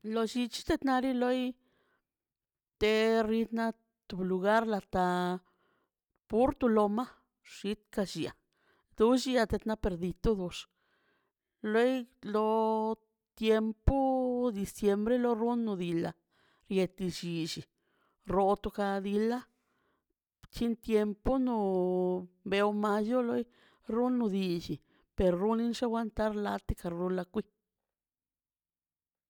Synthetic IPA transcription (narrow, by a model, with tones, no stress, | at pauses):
lo˧ʃi˧t͡ʃi̥˦t̪e˧t̪na˧ɾi˦lo˦j | t̪e˧ri˧t̪na˧ | t̪u˧blu˧ɡa˦ɾla˧t̪a˧ | pu˦ɾt̪u˧lo˧ma˦ | ʂi˧˦t̪ka˧ʃi˨a̰˨ | d̪u˧˦ʃi˧a˧t̪e˧t̪na˧pe˧ɾd̪i˧t̪u˦d̪u˧ʂ | lo˦jlo˧ | t̪je˧mpu˦d̪i˧sje˧mbɾe˦lo˧˦ɾu˦nːu˧d̪i˧la̰˧ | ɾje˧t̪i˧t͡ʃi˨t͡ʃi˨ | ɾo˧t̪u˧ka˧d̪i˧la˦ | t͡ʃi˦nt̪je˧mpo˦no˧ | be˧o˧ma˧jo˦lo˦j | ɾu˦nːu˧d̪i˧t͡ʃi˨ | pe˨ɾɾu˦ni˦nʂe˦wa˧nt̪a˦ɾla˧t̪i˦ka˧ɾɾu˧la˧kʷi˦